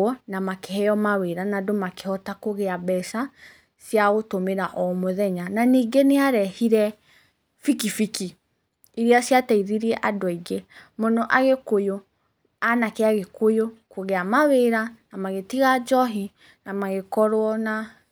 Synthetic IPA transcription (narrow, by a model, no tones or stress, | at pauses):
ɔnamakehɛjɔmaweɾanadomake̥hɔtakoɣeaβɛsa | sjaɣotomeɾaʔɔmoðɛɲananiːɡeneaɾɛhiɾɛ | fikifiki | iɾiasjatɛiðiɾiɛʔadwaiɡemonɔʔaɣekojo | anakeaɣekojokoɣeamaweɾanamaɣetiɣad͡ʒɔɦi | namaɣekɔɾwɔna